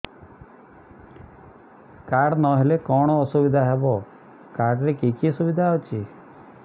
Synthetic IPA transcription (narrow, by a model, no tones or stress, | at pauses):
kaɽnɔɦelekɔɽ̃ɔːsubid̪ʱaɦebɔ | kaɽɾekikisubid̪ʱaːwt͡ʃʰi